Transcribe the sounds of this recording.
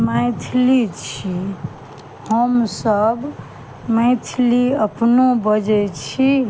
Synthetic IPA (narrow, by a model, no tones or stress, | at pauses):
məɪt̪ʰlit͡ʃʰi | həmsəb | məɪt̪ʰliəpnobəd͡ʒɛt͡ʃʰi